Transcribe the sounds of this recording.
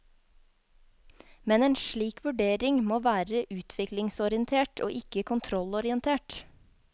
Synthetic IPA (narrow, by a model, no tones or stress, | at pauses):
mɛneːnʃɭiːkʰʋʉɖeːɾɪŋmoːʋæːɾəʔʉːt̪ʰʋɪklɪŋsɔɾɪənt̪ʰeːʈʰo̰ːʔɪkəkʰʊnt̪ʰɾɔlɔɾɪənt̪ʰeːʈ